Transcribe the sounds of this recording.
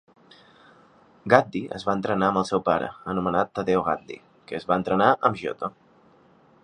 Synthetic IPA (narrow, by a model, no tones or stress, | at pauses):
ɡat̪̚d̪iʔə̰zβaənt̪ɾənaəmbəlˠsɛwpaɾə̰ənumənat̪ːəðewɣa̰t̪̚d̪ḭ | kəːzβaənt̪ɾənaʔəmʒo̰t̪o